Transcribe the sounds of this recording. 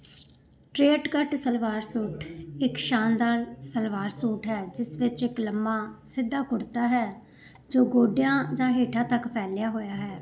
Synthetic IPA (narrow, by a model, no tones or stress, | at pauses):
ʈɾeːʈkəʈsəlʋaːɾsuːʈɪkʃaːnd̪aːɾsəlʋaːɾsuːʈɦɛːd͡ʒɪsʋɪt͡ʃɪkləmːaːsɪd̪ːaːkʊɽt̪aːɦɛː | d͡ʒoːɡoːɖɪjãːd͡ʒãːɦeːʈʰãːt̪əkpʰɛːljaːɦoːjaːɦɛː